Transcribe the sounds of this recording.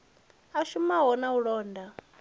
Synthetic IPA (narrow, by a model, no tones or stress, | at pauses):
aʃumaɦɔnauɺɔːndʱa